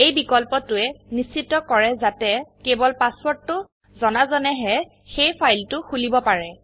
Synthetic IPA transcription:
ejbikɔlpɔtʊɛnissitːɔkɔɹɛzatɛkebɔlpaswɔɹtːʊ | zɔnazɔnɛɦɛ | xejpʰajltʊxulibɔpaɹɛ

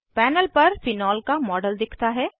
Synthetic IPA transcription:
pɛːnəlpɐɾfɪnɔːlkamɔːɖəld̪ɪkʰt̪aɦɛː

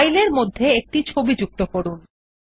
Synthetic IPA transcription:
jleɾmod̪ʱːeek̚ʈit͡ɕʰobid͡ʑuk̚t̪okoɾun

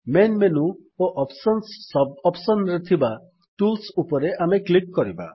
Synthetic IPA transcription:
menmenuoʔɔpsɔnsːɔbɔpsɔnɾet̪ʰiba | ʈulsupɔɾeʔameklikːɔɾiba̰

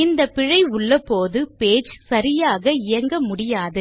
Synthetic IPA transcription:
ɪnd̪ɐpɪɻɐɪʊɭːɐpoːðɯpeːd͡ʒsɐɾɪjaːɣɐɪjɐŋɡɐmʊɽɪjaːðɯ

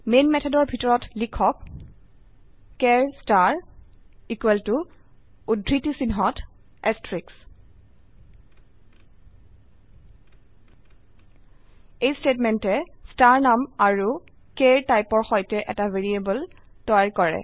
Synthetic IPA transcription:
menmɛtʰɔdɔɹbʱitɔɹɔtlikʰɔk | ɛɹstaɹ | ikwɛltu | udʱɹitisinɦɔt | ɛstɹiks | ejstetmɛntɛstaɹnamaɹu | keɹtajpɔɹxɔjtɛʔɛtaveɹiebɔl | tɔjaɹkɔɹɛ̰

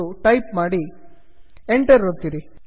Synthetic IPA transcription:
uʈɐjpmaːɽi | eɳʈɐɾot̪ːiɾi

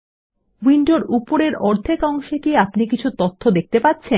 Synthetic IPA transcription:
wiɳɖoɾupoɾeɾɔɾd̪ʱekɔŋʃekiapnikit͡ɕʰut̪ot̪ʰːod̪ek̚t̪epat̪ːɕʰen

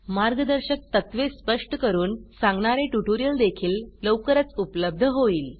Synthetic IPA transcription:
maɾɡəd̪əɾɕək̚t̪ət̪ʋespəʂʈəkəɾuːnsãŋɡɳaɾẽʈuʈoɾijəld̪ekʰiːlləwkəɾət͡supləb̚d̪ʱəɦoiːl

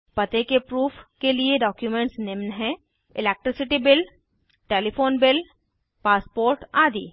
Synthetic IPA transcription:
pɐt̪ekepɾuːfʰkelieɖɔːkjumẽɳʈsnɪʋnɦɛ̃ː | ɪleːk̚ʈɾɪsɪʈibɪl | ʈeːlifoːnbɪl | paːspoːɾʈaːd̪iː

